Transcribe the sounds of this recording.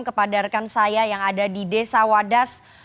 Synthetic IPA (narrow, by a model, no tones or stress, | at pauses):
ŋkəpadarkansajajaŋadadidesawadas